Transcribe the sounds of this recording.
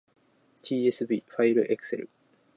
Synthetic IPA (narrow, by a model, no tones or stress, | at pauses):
tiːesɨbiːɸaiɾɯ̟ʔekɯ̟̥seɾɯ